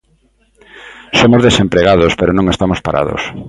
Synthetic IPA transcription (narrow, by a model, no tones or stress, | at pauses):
somozðesempɾeɣaðospeɾonõŋest̪amospa̰ɾʔa̰ðo̰s